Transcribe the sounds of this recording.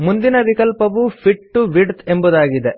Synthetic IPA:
mund̪inɐʋikɐlpɐʋupʰiʈːuʋiɖt̪embud̪aːɡid̪e

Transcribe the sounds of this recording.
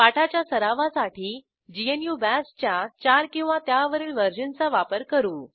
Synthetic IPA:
paʈʰat͡ɕjasəɾaʋasaʈʰiː | d͡ʑienjubæst͡ɕjat͡ɕaɾkĩw̃ʋat̪jaʋəɾiːlʋəɾd͡ʑənt͡saʋapəɾkəɾuː

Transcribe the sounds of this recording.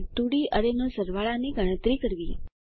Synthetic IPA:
t̪uɽiʔəɾenosəɾʋaɭaniɡəɽ̃ət̪ɾikəɾʋi

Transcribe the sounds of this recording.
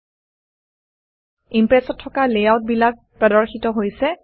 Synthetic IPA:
impɹɛsɔtʰːɔkalɛjaʊt̚bilak̚pɹɔdɔɹxitɔɦojsɛ

